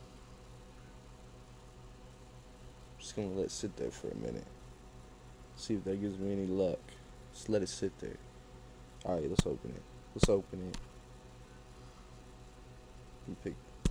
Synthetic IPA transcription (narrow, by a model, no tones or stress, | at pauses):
d͡ʒʌsɡ̥ʌnəlɛɾtsɪt̪̚ðə̰˞fə̰˞ɨ̰mɪ̰̃nɨ̰t̚ | siɨfðɨt̚ɡ̥ɪvzmiɛ̃nilʌk | slɛɾɨtsɪt̪̚ðə̰˞ | əɹaɪt̚lətsoʊpɨ̃nɪ̰t̚lətsoʊpɨ̃nɪt̚ | ɨpʰɪk̚